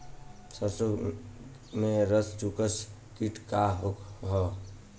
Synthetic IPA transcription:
səɾso | mẽɾəst͡ʃukəs | kiʈkaɦokɦɔ

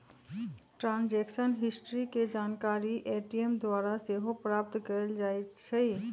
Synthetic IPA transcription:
ʈɾãnd͡ʒekʃənɦɪsʈɾiked͡ʒankaɾiʔeʈiemd̪waɾaseɦopɾap̚t̪kəld͡ʒaet͡ʃʰe

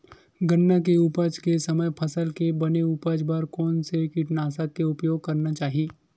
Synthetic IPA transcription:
ɡənːak̬eʊpəd͡ʒkesɐməjpʰəsəlkebɐneupəd͡ʒpəɾkɔːnsekɪʈnaːsak̚keʊpjoːɡ̚kɐɾnat͡ʃaːɦieː

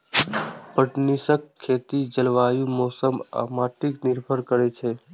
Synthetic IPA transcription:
pəʈnisəkʰːet̪id͡ʒəlʋajumɔsəma̰maʈikniɾbʱəɾkəɾɛt͡ʃʰɛ

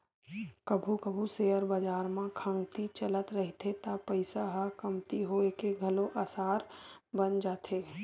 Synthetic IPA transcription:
kɐbʱukəbʱuseəɾbɐd͡ʒaːɾmãkʰə̃ŋɡt̪it͡ʃɐlət̪ɾɐɦit̪ʰet̪apəɪsaɦɐkɐmt̪iɦoekeɡʱɐloʔaːsaːɾbənd͡ʒaːt̪ʰeː

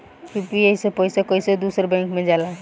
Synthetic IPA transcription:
upiesepɔɪsekoɪsed̪uːsəɾbɛ̃ŋkmẽd͡ʒaːla

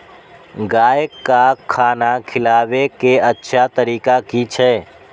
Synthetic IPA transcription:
ɡaːjəkːakʰːaːnakʰɪlaːʋekeətːʃʰat̪əɾiːkakit͡ʃʰɛː

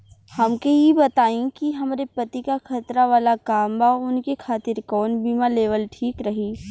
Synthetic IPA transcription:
hɐmkeɦjibɐt̪aːĩkiɦɐmɾepɐt̪ikaxʰɐt̪ɾaʋaːlakaːmbaʊnkekʰaːt̪ɪɾkɔːnbiːmaleːʋəlʈʰiːkɾɐɦiː

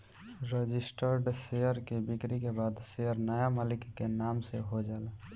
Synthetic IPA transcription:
ɾəd͡ʒɪsʈəɾɖsejəɾkebɪkɾikebaːd̪sejəɾnəjamaːlɪkːenaːmseɦod͡ʒaːl

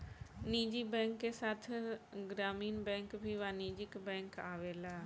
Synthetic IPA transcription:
niːd͡ʒibɛ̃ːŋkːesaːt̪ʰɡɾaːmiːnbɛ̃ːŋkbʱiʋaːniːd͡ʒɪkbɛ̃ːŋkaːʋeːlaː

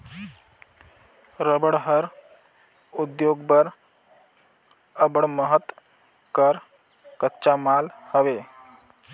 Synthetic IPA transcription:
ɾəbəɽɦəɾ | ud̪joɡbəɾ | əbəɽməɦət̪ | kəɾ | kətːt͡ʃamalhəʋe

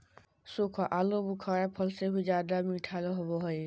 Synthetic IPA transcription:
sokʰɔʔalobukʰaɹapʰɔlseɦud͡ʒad̪amiʈʰaloɦɔbɔɦɔj

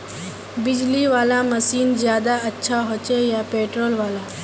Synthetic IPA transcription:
bɪd͡ʒliʋaːlamɐsiːnzjaːd̪aɐtːʃʰaɦoːt͡ʃejapeːʈɾoːlʋaːlaː

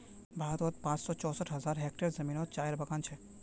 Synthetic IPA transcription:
baːɦt̪ɔːt̪̚pãːt͡ʃsɔːt͡ʃɔːsəʈʰɦɐzaːɾɦeːkʈəɾzɐmiːnoːt̪t͡ʃaːjəɾbɐkãːnt͡ʃʰɛ

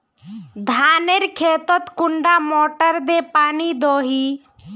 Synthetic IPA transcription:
d̪ʱaːneɾkʰeːt̪ɔt̪kʊɳɖaːmoːʈəɾd̪eːpaːniːd̪oːɦiː

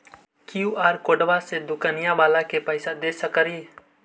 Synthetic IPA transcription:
kɪjuaːɾkoːɖʋased̪ʊkanɪjãʋaːlakepəɪsad̪eːsəkəɾie

